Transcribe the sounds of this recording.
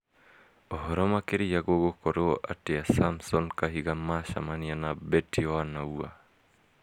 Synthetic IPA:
ɔɦɔɾɔmakeɾijaɡoɡokɔɾoɔʔateasamsɔnkaɦiɡamaʃa̰manianabɛtioanaua̰

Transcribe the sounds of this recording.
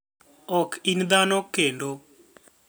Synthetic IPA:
ɔkʰind̪anɔkːendo

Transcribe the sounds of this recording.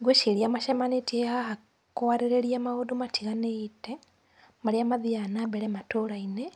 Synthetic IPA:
ɡweʃiljamaʃemanitiehaha | kowaɾiɾeɾijamaodumatʰiɣaneite | maɾijamaðianabeɾematoɾaine

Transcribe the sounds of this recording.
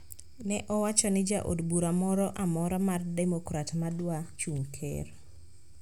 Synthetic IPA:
nɛʔɔwat͡ʃɔnɪd͡ʒaʔo̰dbuɾamɔɾɔʔamɔɾɔmardɛmɔkɾatmadwat͡ʃuŋkʰɛ̰r

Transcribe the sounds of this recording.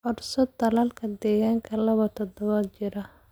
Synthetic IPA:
ʔɔrsɔd̪ɐlaːlkʰɐd̪ɛːɣaːŋkʰɐlɐβɐt̪ʰɔd̪ɔβat͡ʃɪɾɐ

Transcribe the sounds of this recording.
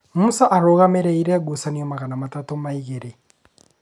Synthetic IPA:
musaʔaɾoɣameɾeiɾeaɡusaniomaɣanamatatomaiɣeɾe

